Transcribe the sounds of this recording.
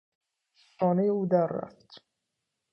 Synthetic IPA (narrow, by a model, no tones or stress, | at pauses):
ɒːnejeuːd̪æɾːæ̰ft̪